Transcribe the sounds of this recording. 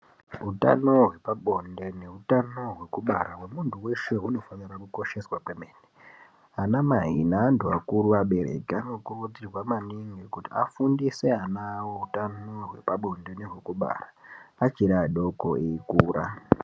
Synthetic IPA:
uta̰no̞ɦwe̞paɓo̞nde̞ne̞utano̞ɦwe̞kuɓaɾawemuntuwe̞ʃe̞ɦuno̞fanirakuko̞ʃe̞swakwemeːne | anamaɦḭnaːnduakuɾuaɓe̞ɾe̞̰keano̞kurud͡zirwamaniŋɡikutia̰fundiseanawoutanoɦwe̞̰paɓo̞nde̞neɦwekuɓa̰raat͡ʃiɾaɗo̞koeikuːɾa

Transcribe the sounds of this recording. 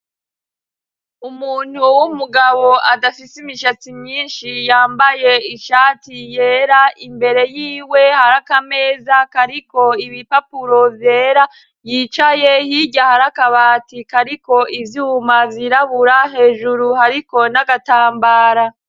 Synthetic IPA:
umuːn̥huwumuɡaβo̞ʔadafisimiʃat͡simɲiːnʃijaːmbaje̞iʃaːtije̞ːɾaimbe̞ɾe̞jiːwe̞haɾakame̞ːzakaɾiko̞iβipapuɾo̞vje̞ːɾa | jit͡ʃaje̞hiɟahaɾakaβaːtikaɾiko̞ʔivjuːmaviɾaβuɾaɦe̞ːʒuɾuhaɾiko̞naɡataːmbaːɾa

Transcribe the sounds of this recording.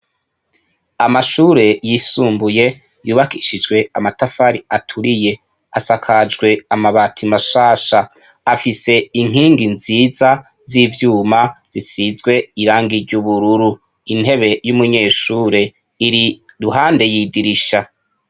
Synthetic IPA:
amaʃuːɾe̞jisuːmbuje̞ | juːβakiʃid͡ʒɡwe̞amatafaɾiatʰuɾije̞ | asakʰad͡ʒɡwe̞amaβaːtʰimaʃaːʃaː | fise̞iŋ̥iːŋɡinziːza | zivjuːmaz̥isizɡwe̞iɾaːŋɡiɾɟuβuɾuɾu | inhe̞βe̞jumuɲe̞ːʃuːɾe̞ | iɾiɾuɦaːnde̞jiːdiɾiʃa

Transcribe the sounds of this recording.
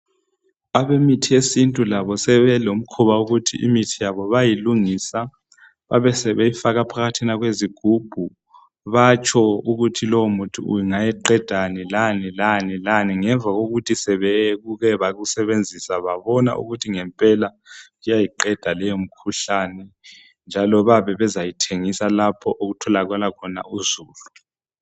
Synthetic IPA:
aβemitʰiesintʼulaβɔsɛβɛlom̩kʰuβauɣutʰḭʔḭmitʰijaβɔβajiluŋiːsa | βa̰βɛsɛβɛifaɣapʰaɣatʰinaɣweziɡ̥ʱub̥ʱu | βat͡ʃʰɔuɣutʰilowmutʰṵṵjiŋajɛǃɛd̥ʱanilanilanilaniŋɛɱvʱaɣoɣutʰisɛβɛɣuɣɛβaɣusɛβend͡zʱisaβaβɔna̰ʔṵɣutʰiŋɛmpʼɛla | ɣujajiǃɛd̥ʱalɛjom̩kʰuɬanɛ | nd͡ʒʱalɔβaβɛβɛzajitʰeŋisalapʰɔʔoɣutʰɔlaɣwɛlakʰɔna̰uzuːlu

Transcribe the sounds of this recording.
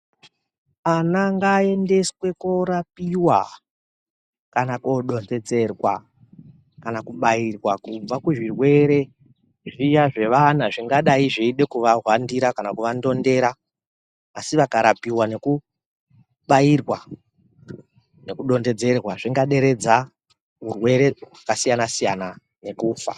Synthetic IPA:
anaŋɡae̞nde̞swe̞koɾapiwa | kanakoɗo̞nde̞d͡ze̞rwa̰ | kanakuɓairwakub͡vakuʐirwe̞ɾe̞ | ʐijaʐe̞ʋan̤aʐiŋɡaɗaiʐeiɗe̞kuʋaɦwandiɾakanakuʋando̞nde̞ɾaː | siʋakaɾapiwane̞ku | ɓairwa | ne̞kuɗo̞nde̞d͡ze̞rwaʐiŋɡaɗe̞ɾe̞d͡za | ɦurwe̞ɾe̞wakasijanasijana | ne̞kuːfa̰

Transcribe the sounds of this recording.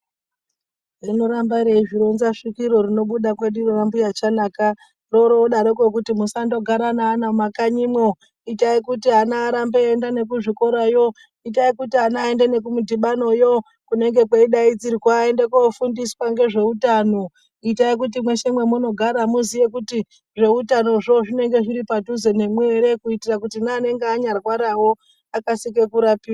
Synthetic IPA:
rinoɾambaɾeiʐiɾonzaʂikiɾo̞rino̞ɓuɗakweɗirirambujat͡ʃanaːka | ro̞ɾoɗaɾekok̬utimusando̞ɡʱaɾanaːnamakaɲimwo | itaikutiɦanaːɾambeendane̞kuʐiko̞ɾajo̞ | it̬aikutiɦanaːendene̞k̬umudʱiɓano̞jo | kune̞ŋɡe̞keiɗaid͡ziɾiwaendekofundiswaŋɡe̞ʐe̞utano | itaik̬ut̬imwe̞ʃe̞mwe̞muno̞ɡʱaɾamuzije̞kuti | ʐe̞utano̞ʐo̞ʐine̞ŋɡe̞ʐiɾipatuzo̞ne̞mwe̞ɾe̞kuitirak̬utinaːne̞ŋɡeaɲarwaɾawo̞ | akasike̞kuɾapiwa

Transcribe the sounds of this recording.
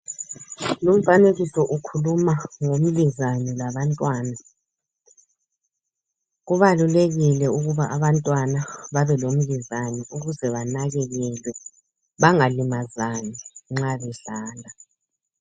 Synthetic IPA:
lum̩faneɣisɔʔukʰulumaŋom̩lizanɛlaβantʼwaːna | ɣuβaluleɣilɛuɣuβaʔaβantʼwanaβaβɛlom̩lizanɛʔuɣuzɛβanaɣɛɣɛlwɛ | βaŋalimazaniŋ͡ǁaβɛɬaːndʱa

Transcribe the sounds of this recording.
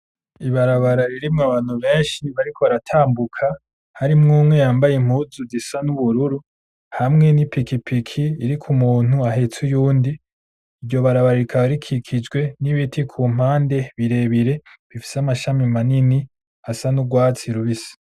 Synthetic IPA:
iβaɾaβaɾaɾiɾimŋaβaːn̥huβe̞ːnʃiβaɾikʰo̞βaɾatʰaːmbukʰa | haɾimŋuːmŋe̞jaːmbajim̥huzuzisanuβuɾuɾu | hamŋe̞nipikipʰikʰiːɾikʰumuːn̥huaɦe̞t͡sujuːndiː | ɾjo̞βaɾaβaɾaikʰaβaɾikʰikʰid͡ʒɡwe̞niβitʰikʰum̥haːnde̞βiɾe̞βiɾe̞βifi̥seamaʃamimanini | asanuɡwaːt͡siɾuβisḁ

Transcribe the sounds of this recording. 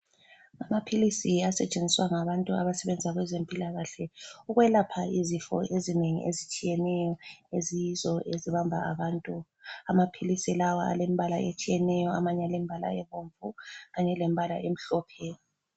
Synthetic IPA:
amapʰilisiasɛt͡ʃʼend͡zʱiswaŋaβantʼua̰βasɛβɛnd͡zʱaɣwɛzempʼilaɣaɬɛuɣwɛlapʰaizifɔ̰ʔezineŋḭʔezit͡ʃʼijɛnɛjɔezijizɔʔeziβambʱa̰a̰βaːntʼu | amapʰilisilawa̰a̰lem̩iβalaet͡ʃʼijɛnɛjɔamaɲalemibʱala̰ɛβoɱvuɣaɲɛlem̩iβalaʔem̩ɬɔːpʰɛ

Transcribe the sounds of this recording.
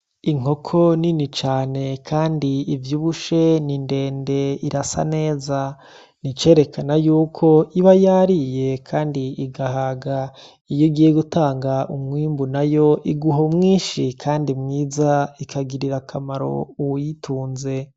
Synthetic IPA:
iŋ̥o̞kʰo̞ninit͡ʃaːne̞kʰaːndiivjuːβuʃe̞ninde̞ːnde̞iɾasa̰ne̞ːza | nit͡ʃe̞ːɾe̞kanajuːkʰo̞ʔiβajaɾije̞kʰaːndiiɡahaːɡa | ijoɡijeɡutaːŋɡaʔumŋiːmbunajo̞ʔiɡuɦomŋiːʃikʰaːndimŋiːzaikʰaɡiɾiɾakʰamaɾo̞̰uwujitʰuːnze̞

